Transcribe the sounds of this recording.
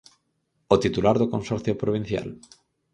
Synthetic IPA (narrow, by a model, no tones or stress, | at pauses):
ot̪it̪ulaɾðokõnsɔɾθjopɾoβ̞in̟θja̰l